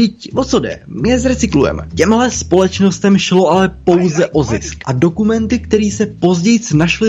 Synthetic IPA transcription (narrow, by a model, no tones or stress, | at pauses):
ɪcvot͡so̞dɛ̰mɪɛzɾɛt͡sɪklujɛ̰mɛ̰cɛmɦlɛspo̞lɛt͡ʃno̞st̪ɛmʃlo̞ʔalɛpo̞wzɛʔo̞zɪ̰skʔado̞kumɛnt̪ɪkt̪ɛɾiːsɛpo̞zɟɛjt͡snaʃlɪ